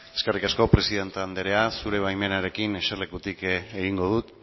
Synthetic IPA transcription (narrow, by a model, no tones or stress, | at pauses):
e̞ske̞rikasko̞pɾe̞siðe̞nt̪and̪eɾe̞asuɾe̞β̞ajme̞naɾe̞kineʃarlekut̪ikeɣiŋɡo̞ð̞ut̪